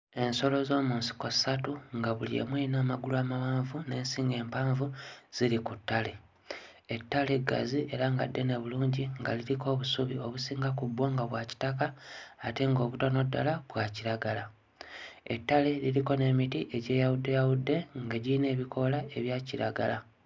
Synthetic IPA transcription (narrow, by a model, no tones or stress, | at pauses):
e̞nso̞lo̞zo̞ːmuːnsi̥ko̞satuŋɡaβuliḛmweinaːmaɡuluaːmawaːɱvune̞ːnsiːŋɡe̞ːmpaːɱvuz̥iɾikutːale̞ | etːale̞ɡa̰ziʔeɾaŋɡa̰dːe̞ne̞βuluːɲɟiŋɡa̰liɾiko̞ːβusuβio̞βusiːŋɡakubwoːŋɡaβwaːci̥takaːte̞ŋɡo̞ːβutono̞dːalaβwaːciɾaɡala | etːale̞liɾiko̞ne̞mitiʔe̞ɟe̞ːjawudːe̞jawudːe̞ŋɡeɟiine̞ːβikʰo̞lae̞βjaːciɾaɡa̰la